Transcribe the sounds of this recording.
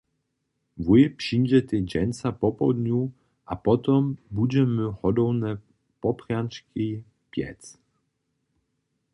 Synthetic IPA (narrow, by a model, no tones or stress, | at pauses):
vujpʂinʲd͡ʑɛt̪ʲɛd͡ʑɛnsapɔpɔ̰d̪ɲʲu | ʔapɔt̪ɔmbud͡ʑɛmɘxɔd̪ɔwnɛ | pɔpχjant͡ʂkʲʰij | pʲjɛ̰t̪t͡s